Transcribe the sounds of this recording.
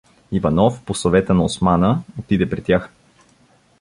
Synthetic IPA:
ivɐnɔfposovɛt̪ənɐosmanəot̪id̪ɛpɾɛt̪ʲːjax

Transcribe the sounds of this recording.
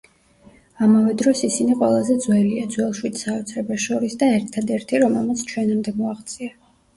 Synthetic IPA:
amavɛd̪ɾɔsisiniqʼwɛlˠazɛd̪zwɛliad̪zwɛlˠʃwit̪ʰʼsaɔt̪sʰɾɛbaʃɔɾisd̪aɛɾt̪ʰad̪ɛɾt̪ʰiɾɔmɛlˠmat̪sʰt͡ʃʰwɛnamd̪ɛmɔaχt̪sʼia

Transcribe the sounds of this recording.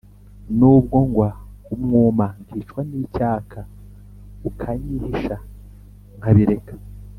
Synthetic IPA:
nuːb̚ɡo̞ŋɡwaumŋuːmaŋɡiːt͡ʃkwaniːcaːkʰa | ukʰaɲihiʃa | ŋhaβiɾe̞kḁ

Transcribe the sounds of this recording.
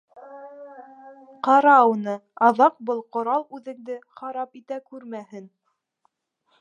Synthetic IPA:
qɑɾɑwnɤɑðɑq̚bɤlˠqŏɾɑlˠʉðɘ̆ŋd̪ɘχɑɾɑpit̪ækʉɾmæhɘn

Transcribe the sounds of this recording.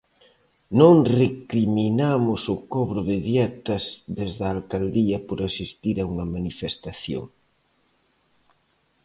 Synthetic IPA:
nõŋrekɾiminamʊsʊkɔβɾʊðɪðjɛt̪ɐzðezðɐːlkald̪iɐpoɾasist̪iɾauŋɐmanifest̪aθjo̰ŋ

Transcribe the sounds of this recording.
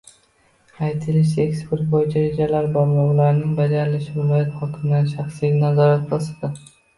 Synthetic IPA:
ajt̪ʰɪlɪʃe̞kspe̞ɾt̪̚bojɪt͡ʃʰaɾed͡ʒalaɾbɒlˠlɒʁlaɾnɪŋbad͡ʒaɾɪlɪʃɪvɪlɒjat̪hɒkʰɪmd̪anʃaχsijnazɒɾat̪̚bɒsad̪ɪ

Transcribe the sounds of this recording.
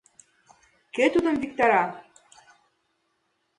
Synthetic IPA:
ket̪ud̪ɤ̆nvik̚t̪ɑɾɑ

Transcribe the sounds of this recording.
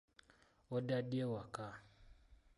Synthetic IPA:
ɔdaɗiɛwaka

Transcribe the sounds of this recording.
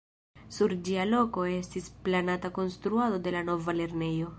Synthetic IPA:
suɾd͡ʒialo̞ko̞e̞stisplanatako̞nstɾuado̞de̞lano̞vale̞ɾne̞jo̞

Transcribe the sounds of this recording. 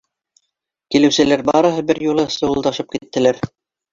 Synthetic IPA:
kilɘ̆wsɘ̆læɾbɑɾɤ̆ɦɤbɘɾjulˠɤsɤ̆wɤ̆lˠd̪ɑʃɤp̚kit̪ːɘ̆læɾ

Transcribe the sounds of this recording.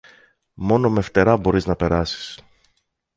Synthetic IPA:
mo̞no̞me̞ft̪e̞ɾɐbo̞ɾiznɐpe̞ɾɐsi̥s

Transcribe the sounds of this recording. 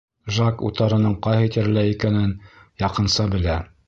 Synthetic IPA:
ʒakṵt̪ɑɾɤ̆nɤɴqɑjhɤ̆t̪ĭɾɘ̆læikænɘnjɑqɤ̆nsɑbɘ̆læ

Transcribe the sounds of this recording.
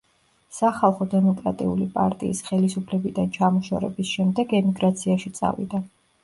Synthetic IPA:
saχalˠχɔd̪ɛmɔkʼɾat̪ʼiulipʼa̰ɾt̪ʼḭːsχɛlisupʰlɛbid̪ant͡ʃʰamɔʃa̰ɾɛ̰bisʃɛmd̪ɛɡɛmiɡɾat̪sʰiaʃit̪sʼa̰vḭd̪a

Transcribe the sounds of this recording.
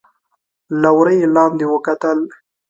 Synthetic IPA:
lawɾəjelɑnd̪ewəkat̪əl

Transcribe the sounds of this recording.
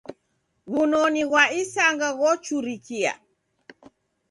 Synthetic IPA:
βunɔniɣwaisaŋɡaɣɔt͡ʃuɾikia̰

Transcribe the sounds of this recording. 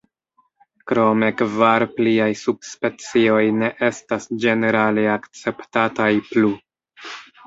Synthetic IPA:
kɾo̞me̞kvaɾpliajsub̚spe̞t͡sio̞jne̞ʔe̞stasd͡ʒe̞ne̞ɾaleakt͡se̞ptatajplu

